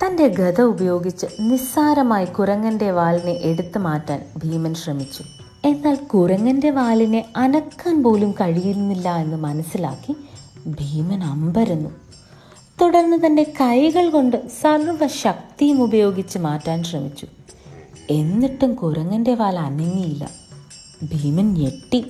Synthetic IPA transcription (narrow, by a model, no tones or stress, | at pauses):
t̪ɐnde̞ɡɐd̪ɐubɐjo̞ːɡit͡ɕːɨnisaːɾɐmaːjikurɐŋːɐnde̞ʋaːlineʔeɽut̪ːɨmaːtːaːnbʱiːmɐnɕrɐmit͡ɕːu̥ | e̞nːaːlkurɐŋːɐnde̞ʋaːline̞ɐnɐkːaːnpo̞ːlumkɐɻijuɾunːilːɐe̞nːɨmɐnɐsːila̰ːkːibʱiːmɐnɐmbɐɾunːu | t̪uɽɐrnːɨt̪ɐnde̞kɐjɣɐɭko̞ɳɖɨsɐrʋɐɕɐk̚t̪ijumubɐjo̞ːɡit͡ɕːɨmaːtːaːnɕrɐmit͡ɕːu̥ | e̞nːiʈːumkuɾɐŋːɐnde̞ʋaːlɐnɐŋːijilːɐ̰ | bʱiːmɐnje̞ʈːi